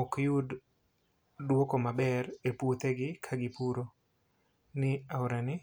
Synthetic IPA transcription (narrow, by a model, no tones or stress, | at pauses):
okjʊd | dwokomabɛrepwot̪eɡɪkʰaɡɪpuɾo | nɪaʊɾanɪ